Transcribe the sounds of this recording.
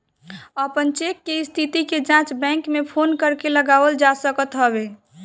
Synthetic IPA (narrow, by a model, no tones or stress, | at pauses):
əpənt͡ʃekːeist̪ʰit̪iked͡ʒãt͡ʃbɛ̃ŋkmepʰonkəɾkeləɡaʋəld͡ʒasəkət̪ɦəbe